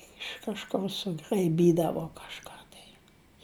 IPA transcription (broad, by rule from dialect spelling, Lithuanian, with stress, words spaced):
ɪʃ kɐʃˈkʊr sʊɡrɐɪˈbʲiːdɐʋoː kɐʃˈkɑː tɐɪ